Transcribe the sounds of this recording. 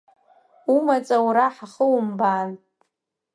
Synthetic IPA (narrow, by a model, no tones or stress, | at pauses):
umat͡sʼawɾaħaχəwumbaːn